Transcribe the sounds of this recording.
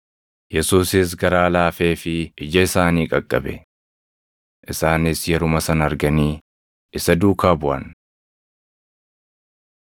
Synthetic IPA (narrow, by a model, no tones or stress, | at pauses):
jɛsuːsɪs̬ɡɐɾaːlaːfeːfɪɪd͡ʒɐɪsaːniːkʼɐkʼːɐ̰bɛ̰ | ʔɪsaːnɪsjɛɾʊmɐsɐnɐɐɾɡɐniː | ʔɪsɐd̪uːkaːbʊʔɐ̰n